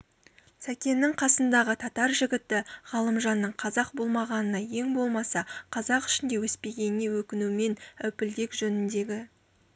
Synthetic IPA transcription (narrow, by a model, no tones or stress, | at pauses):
sækʲe̞nːɪɴqʰɑsənd̪ɑʁət̪ʰɑt̪ɑɾʒɪɡʲɪt̪ɪʁɑlˠəmʒɑnːəɴqʰɑzɑq̚bo̞lˠmɑʁɑnənɑje̞ŋbo̞lˠmɑsɑqʰɑzɑqɪ̥ʃɪnd̪e̞wɵspe̞ɡʲe̞nɪne̞wɵkʲɪnume̞næwpɪld̪e̞kʒɵnɪnd̪e̞ɡʲɪ